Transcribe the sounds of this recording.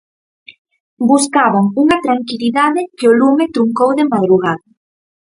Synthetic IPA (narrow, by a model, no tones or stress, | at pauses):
buskaβaŋuŋat̪ɾaŋkiliðaðɪkeolumet̪ɾuŋkowðemaðɾuɣaða